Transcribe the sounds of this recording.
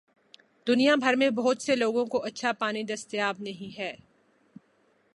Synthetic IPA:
d̪ʊnijabʱɐɾmẽbɐɦʊt̪seloːɡõkoʔɐtːʃʰapaːnid̪ɐst̪ɪjaːbnɐɦĩɦɛː

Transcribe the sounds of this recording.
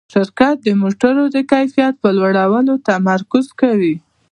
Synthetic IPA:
ʃɪɾkat̪̚d̪əmoʈaɾod̪əkajfijat̪̚pəlwaɽawənot̪amaɾkʊzkawi

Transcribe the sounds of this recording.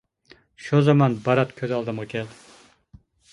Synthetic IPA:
ʃozɑmɑnbɑɾat̪kʲʰøzɒlˠd̪ɨmʁɑkʲʰeld̪ɪ

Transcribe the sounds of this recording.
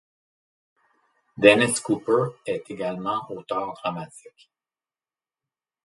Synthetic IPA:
d̪ɛnɛskupə˞ɛt̪eɡalmɑ̃ʔot̪œːʁd̪ʁamat̪ik

